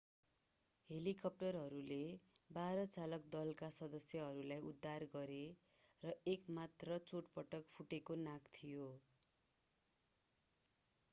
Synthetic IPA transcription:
helikʌp̚ʈʌrɦʌɾulebaɾʌt͡salʌk̚d̪ʌlkasʌd̪ʌsjʌɦʌɾulajud̪ʱːarɡʌɾe | rʌekmat̪rʌt͡soʈpʌʈʌkpʰuʈekonakt̪ʰijo

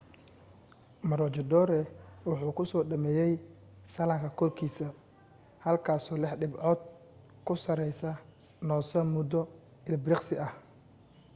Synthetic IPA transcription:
mɐɾɔt͡ʃɔd̪ɔːɾɛwʊħuːkʰʊsɔːɖɐmɛːjɛj | sɐlɐŋkʰɐkʰɔrkʰiːsɐ | hɐlkʰaːsɔːlɪħɖɪbʕɔːd̪̚ | kʰʊsɐɾɛjsɐ | nɔːsɐmʊd̪ɔ | ɪlbɾɪqsɪʔɐh

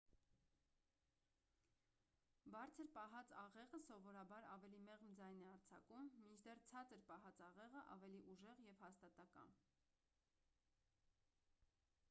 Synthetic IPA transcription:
bɑɾt͡sʰəɾpɑɦɑt͡sɑʁɛʁəsɔvɔɾɑbɑɾɑvɛlimɛʁmd͡zɑjnɛɑɾt͡sʰɑ̰kumːint͡ʃʰd̪ɛrt͡sʰɑt͡səɾpɑɦɑt͡sɑʁɛʁəʔɑ̰vɛliʔuʒɛʁjɛvhɑst̪ɑt̪ɑkɑ̰n

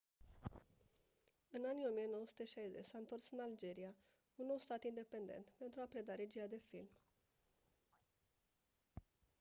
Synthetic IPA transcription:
ɨnanijo̞mije̞no̞wosu̥t̪e̞ʃajze̞t͡ʃʲsaɨnt̪o̞rsɨnald͡ʒe̞ɾia | unːowst̪at̪ind̪e̞pe̞nd̪e̞̰nt̪pe̞nt̪ɾuapɾe̞d̪aɾe̞d͡ʒiad̪e̞fḭlm

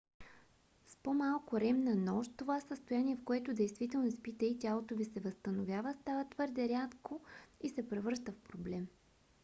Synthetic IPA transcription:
spomalˠkʊɾɛmnənɔʃt̪ovasəst̪ojaniɛfkoɛt̪ʊd̪ɛjst̪vit̪ɛlˠnospit̪ɛit̪ʲialˠt̪ovisɛvəst̪ənovʲjavəst̪avət̪vɤɾd̪ɛɾʲat̪koisɛpɾɛvɤɾʃt̪əfpɾoblɛm

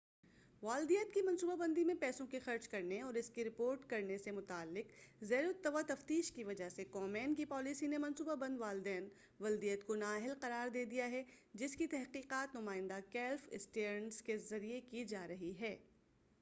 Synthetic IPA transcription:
ʋaːld̪ijət̪kimɐ̃nsuːbabɐ̃nd̪imẽpɛːsõkixɐɾd͡ʒkɐɾneɔːɾɪskiɾɪpoːɾʈkɐɾnesemʊt̪aːlːɪqzɛːɾʊt̪ːəʋat̪ɐft̪iːʃkiʋɐd͡ʒaɦsekɔːmɛːnkipɔːlisinemɐ̃nsuːbabɐ̃nd̪ʋaːlɪd̪ɛːn | ʋɐld̪ijət̪konaːɦɪlqɐɾaːɾd̪eːd̪ijaɦɛd͡ʒɪskit̪ɛɦqiːqaːt̪nʊmaːɪ̃nd̪akɛːlfɪ̰sʈeːɾnskezɐɾijekid͡ʒaːɾɐɦiɦɛː

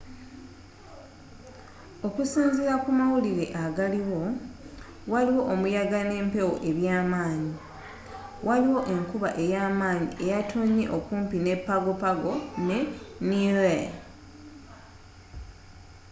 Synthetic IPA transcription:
o̞kusiːnziɾakumawuliɾe̞̰ʔaɡaliwo̞ | waliwo̞ʔomujaɡane̞ːmpe̞wo̞̰ʔe̞βjaːmaːɲi | wʔaliwo̞ʔe̞ŋkuβaʔe̞jaːmaːɲiʔe̞jatʰoɲːe̞̰ʔo̞kuːmpine̞pːaɡo̞paɡo̞neniwe

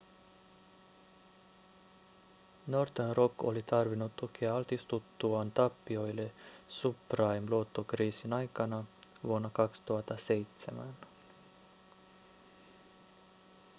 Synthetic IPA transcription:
no̞rt̪enrokːo̞̰lit̪ɑrʋinːut̪ːuk̟ʰeɑɑlt̪ist̪ut̪ːuɑnt̪ɑpːio̞jle̞suprɑjmluot̪ːokriːsinɑjkɑnɑʋuo̞nːɑkɑkst̪uɦɑt̪ːɑse̞jt̪semæn

